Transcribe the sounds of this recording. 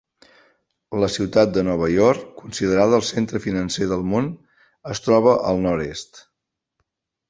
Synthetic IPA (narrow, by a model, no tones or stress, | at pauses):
ləsiwt̪at̪̚d̪ənɔβ̞əjɔɾkːunsiðəɾaðəːəlˠsent̪ɾəfinənseðəlˠmon | əst̪ɾɔβ̞əʔəlˠnɔɾest̪